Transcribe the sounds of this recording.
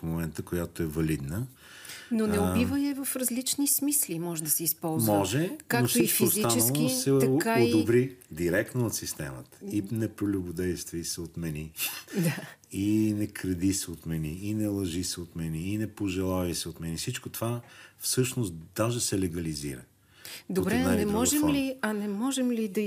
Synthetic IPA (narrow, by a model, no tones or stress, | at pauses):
fmomɛnt̪əkojat̪oɛvɐlid̪nə | nonɛobivəjɐvɐfɾɐzlit͡ʃnismislimɔʒɛd̪ɐsɛispɔlˠzmmɔʒɛkaokfsoit͡ʃfkosiat͡ʃnɛɐnˠkosɛt̪ɐkaod̪obɾid̪iɾɛk̚t̪noːt̪sist̪ɛmət̪ə̥inɛpɾolʲʊbʊd̪ɛjst̪vəisɛot̪mɛnid̪ainɛkɾɐd̪isɛot̪mɛniːnɛlˠɐʒisɛot̪mɛniːnɛpoʒɛlˠavisɛot̪mɛnisit͡ʃkot̪ovafsɤʃnost̪d̪aʒesɛlɛɡɐlizḭɾə̰ | d̪obɾɛɐɛnɛmɔʒɛmliɐnɛmɔʒɛmlid̪ɐ